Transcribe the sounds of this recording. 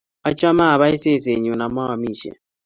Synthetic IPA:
a˦t͡ʃʼa˦ma˦˨βa˦i˦sɛ˦˨se˨ɲu˨na˨ma˦wa˨miː˨ʃɛ̰˨

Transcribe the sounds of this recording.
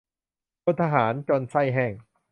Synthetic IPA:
u˧˥t̪ʰa˧ɦaː˩˦nt͡ɕo˧nsa˥˩jɦɛ˥˩ŋ

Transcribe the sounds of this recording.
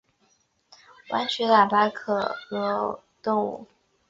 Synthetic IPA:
wʔa̰˧˥nt͡ɕʰɥɛ˧˥la˨˩pa˧˥kʰɤ˨˩lɤ˧˥ | t̪ʊ˥˧ŋṵ˥˩

